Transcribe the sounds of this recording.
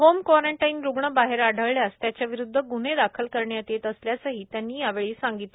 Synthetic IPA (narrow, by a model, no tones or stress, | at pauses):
ɦomkʋaɾəɳʈainɾuɡɳəbaɦeɾaɽʱəɭljast̪jat͡ɕjaʋiɾud̪ʱːəɡuned̪akʰəlkəɾɳjat̪et̪əsljasaɦiːt̪janːiːjaʋeɭiːsaŋɡit̪le